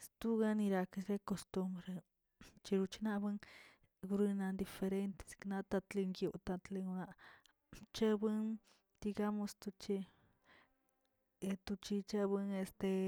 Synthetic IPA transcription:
st̪u˦ɡa˦ni˧ɾa˧ke˧se˦ko˧st̪u˧mbɾe˨ | t͡ʃi˧ɾu˧t͡ʃi˧na˦ʔbɨ˦ŋ | ɡu˧ɾɨ˧na˧nd̪i˧fe˧ɾe˧nt̪e̥˨skna˧t̪a˧t̪li˧ŋɡjo˧ʔt̪a˧t̪le˧ɡu˧na˧ʔ | t͡ʃe˦bɨ˦n | d̪̥i˧ɡa˦mo˧st̪u˧t͡ʃi˧ | t̪u˧t͡ʃi˧t͡ʃe˦bɨ˧ŋe˧st̪e˧

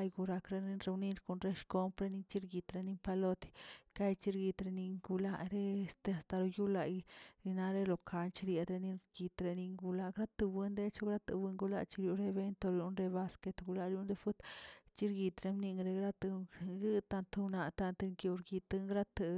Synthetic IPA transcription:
ajɡu˧ɾa˧kɾe˧ni˧nɾe˧u˧ni˧ɾko˧˨nɾe˦ʃko˧mpɾe˧ni˧t͡ʃi˦ɾɡi˧t̪ɾe˧ni˧mpa˧lo˧t̪i̥˧ka˦jt͡ʃi˦ɾɡi˧t̪ɾe˧ni˧ŋɡu˧la̰˧ɾe˦e˧st̪e˧a˨st̪a˧ɾo˧ju˦la˧jɾi˧na˧ɾe˦lo˨kʰa˧nt͡ʃi˧ɾje˧d̪ɾe˧ni˧ɾɡi˧t̪ɾe˧ni˧ŋɡu˧la˧ɡɾa˦t̪ɨ˧bɨ˧nd̪e˦t͡ʃo˦ɡɾa˦t̪ɨ̰˧wɨ˧ŋɡu˧la̰˧t͡ʃi˧ɾju˧ɾe˧βe˦nt̪o˧ɾju˧nɾe˧βa˧ske˧t̪ɡu˧la˧ɾju˧˦nd̪e˧fu˦t̪t͡ʃi˦ɾɡi˧t̪ɾe˧mni˧ŋɾe˧ɡɾa˦t̪ɡɨ˦t̪a˧nt̪u˧na˧t̪a˧nt̪ŋkju˧ɾɡi˧t̪ɨ˧ŋɡɾa˦t̪ɨ˧

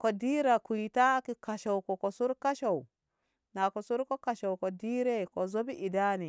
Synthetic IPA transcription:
ko˨di˦ɾa˨ku˨jta˦ki˦ka˨ʃa˨wko˨ko˨su˦ɾka˦ʃa˨w | na˨ko˨su˦ɾko˦ka˨ʃa˨wko˨di˦ɾe˦ko˨zo˦bi˦ʔi˨da˦ni˨

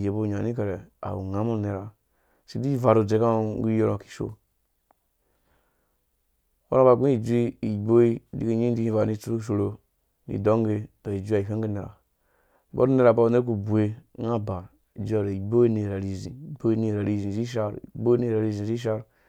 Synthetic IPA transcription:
je˨bo˦˨ɲa˨ni˦ka˨ɾe˨a̰˨wṵ˨ŋa˦mu˦ne˨ɾa˨ | si˨˦di˦va˨ɾu˨d͡ʒe˨˦ka˦˨ŋɡi˦jo˦ɾo˨ki̥˨ʃo̰˦ | wo̰˦ɾa˦ba˨ɡĩ˦i˨d͡ʒu˦i˦i˨bo˦i˦di˦ki˦ɲĩ˦di˦i˦˨va˨ni˦t͡su˦ɾu˦ʃ̬o˨ɾo˨ | nḭ˨do˦ŋɡe˦dɔ˨i˨d͡ʒʷi˦a˨i˨ka˦ŋ˦ɡi˦ne˨ɾa̰˨˦ | bo̰˦ɾne˦ɾa˨ba˦u˨ne˦u˨bu˨e˨˦ŋa˦ba˨ɾ | i˨d͡ʒʷi˦a˨ɾe˨i˨bo˦i˦ni˨ɾa˨ɾi˨zḭ˨bo˦i˦ni˦˨ɾa˨ɾi˦˨zĩ˨zi˦ʃ̬a˦ɾḭ˨bo˦i˦ni˦˨ɾa˨ɾi˦˨zĩ˨zi˦ʃ̬a˦ɾ

